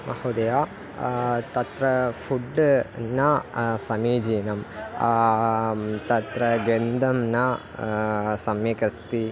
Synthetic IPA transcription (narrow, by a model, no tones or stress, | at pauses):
ɐhud̪ɐjaː | t̪ɐt̪ɾɐfuɖnɐsɐmiːd͡ʒiːnɐm | t̪ɐt̪ɾɐɡend̪ɐmnɐ | sɐmjekɐst̪i